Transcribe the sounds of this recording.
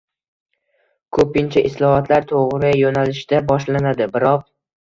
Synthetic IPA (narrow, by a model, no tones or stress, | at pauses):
kʰɵpɪnt͡ʃʰaʔɪslˠɒhɒt̪ʰlaɾt̪ʰoʁɾɪjonalɪʃd̪abɒʃlanad̪ɪbɪɾɒq̚